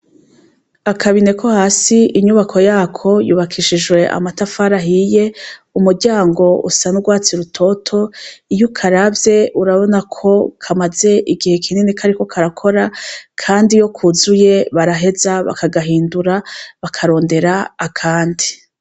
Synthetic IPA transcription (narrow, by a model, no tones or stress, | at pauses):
akʰaβine̞kʰo̞haːsiiɲuβakʰo̞jaːkʰo̞jṵːβakʰiʃid͡ʒwe̞ʔa̰matafaːɾaɦije̞umuɾɟaːŋɡo̞ʔṵsanuɡwaːt͡siɾutʰo̞tʰo̞ijukʰaɾavje̞ʔuɾaβo̞nakʰo̞kʰamaze̞ʔiɡihe̞kʰininikʰaɾiko̞kʰaɾakʰo̞ɾakʰaːndijo̞kʰuzuje̞βaɾaɦe̞zaβa̰kaɡaɦiːnduɾaβakʰaɾo̞ːnde̞ɾaːkʰaːndi̥